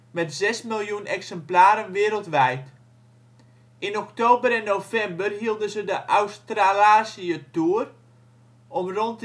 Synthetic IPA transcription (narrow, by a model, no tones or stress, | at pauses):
mɛtzɛsmilˠjunɛksɛmplaːɾənʋɪːɾəlˠtʋɛjt | ɪnɔktoːbəɾɛnːofɛmbərɦiəlˠdənzədəʔawstralaːsiətuːər | ɔmront